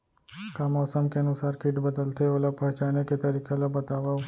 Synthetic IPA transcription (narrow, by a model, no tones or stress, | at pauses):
kamɔːsəmkeənʊsaːɾkiʈbəd̪əlt̪ʰeoləpɐɦt͡ʃaneket̪əɾikʰelobət̪aʋa